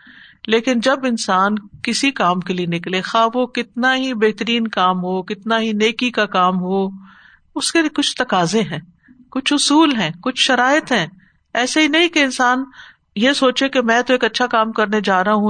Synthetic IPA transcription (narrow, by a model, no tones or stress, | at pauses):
leːkɪnd͡ʒɐbɪnsaːnkɪsikaːmkelienɪklexaːʋokɪt̪naɦibeːɦt̪əɾiːnkaːmɦokɪt̪naɦineːkikakaːmɦo | ʊskekʊt͡ʃʰt̪ɐkaːzeɦɛ̃ː | kʊt͡ʃʰʊsuːlɦɛ̃ːkʊt͡ʃʰʃɐɾaːɪt̪ɦɛ̃ː | ɛːseɦinɐɦĩkeɪnsaːn | jesoːt͡ʃekemɛ̃ːt̪oeːkɐtːʃʰakaːmkɐɾned͡ʒaːɾɐɦaɦũ